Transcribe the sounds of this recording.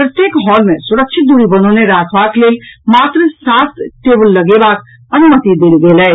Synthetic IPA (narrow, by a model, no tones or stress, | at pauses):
pɾət̪jekɦɔːlmesuɾəkʃʰɪt̪̚d̪uɾibənoneɾaːkʰbakleːlmaːt̪ɾəsasʈebəlːəɡebak | ənumət̪id̪elɡelɛ